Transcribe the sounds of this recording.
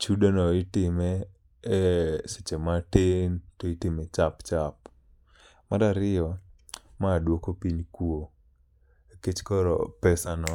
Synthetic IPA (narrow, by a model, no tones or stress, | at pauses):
t͡ʃudonɔɪtɪmɛ | set͡ʃematentoitɪmɛt͡ʃapt͡ʃap̚ | maɾaɾɪɔ | maːdwokopiɲkuo | eket͡ʃkɔɾɔ̰pɛsanɔ